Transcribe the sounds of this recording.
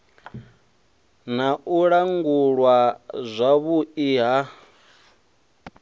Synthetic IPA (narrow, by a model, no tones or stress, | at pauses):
naʔuɺaŋɡuɺwazʷaβuiːɦa